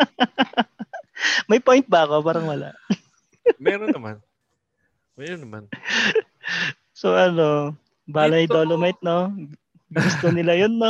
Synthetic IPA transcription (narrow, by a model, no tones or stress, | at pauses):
mɐjpojnt̪̚bɐɐko̞paːɾɐŋwɐla̰ʔ | mɛɾɐma̰n | mɛɾonːɐman | soʔɐno̞ | baːlɐjd̪olomajt̪̚no | ɡɡʊst̪onɪlajonːo